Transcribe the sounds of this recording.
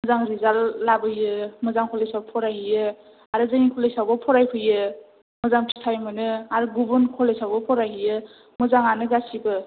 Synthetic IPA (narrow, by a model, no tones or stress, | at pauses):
mɯzaŋɾizalːabɯjɯmɯzaŋkʰɔlesawbpʰɔɾajɦɯjɯ | aɾɯzaŋikʰɔlesawbɯpʰɔɾajpʰɯjɯ | mɯzaŋtʰi̥sʰajmɯnɯaɾɯɡubɯnkʰɔlesawbɔpʰɔɾajɦɯjɯ | mɯzaŋanɯɡasibɯ